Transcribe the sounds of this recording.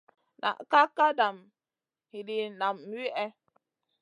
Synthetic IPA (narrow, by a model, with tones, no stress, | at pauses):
nʔa̰˨ʔka˦kːa˦da˨m | hi˨di˨na˨m˦i˦ʔɛ˦